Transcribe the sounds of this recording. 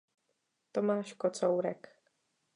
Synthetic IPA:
t̪omaːʃkot͡sowɾɛk

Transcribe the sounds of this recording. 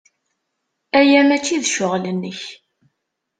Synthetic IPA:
æjæmæt͡ʃːiðʃʊʁlənːəç

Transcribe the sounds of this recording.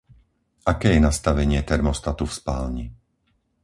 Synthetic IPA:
ʔakɛːjɛnast̪aʋɛɲɪɛt̪ɛɾmɔst̪at̪ufspaːlɲi

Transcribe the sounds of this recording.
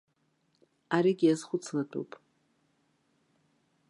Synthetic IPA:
aɾiɡʲiazχʷʊt͡sʰladʰʼṵpʼ

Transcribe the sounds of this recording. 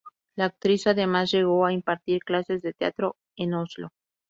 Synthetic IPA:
laːk̚t̪ɾisaðe̞mazʝe̞ɣ̞o̞aimpaɾt̪iɾklase̞zðe̞t̪ea̰t̪ɾo̞ | enozlo̞

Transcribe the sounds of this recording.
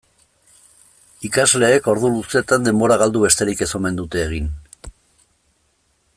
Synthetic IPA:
ikazle̞ːko̞ɾðuluse̞t̪and̪e̞mbo̞ɾaɣald̪uβe̞st̪e̞ɾike̞so̞me̞nd̪ut̪e̞ːɣ̞in

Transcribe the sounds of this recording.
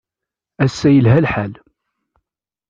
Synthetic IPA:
æsːæjəlɦælħal

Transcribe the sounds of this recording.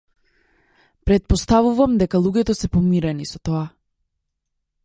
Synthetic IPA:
pɾɛt̪̚pɔst̪avuvamd̪ɛkalˠuɡʲɛt̪ɔsɛpɔmiɾɛnisɔt̪ɔa

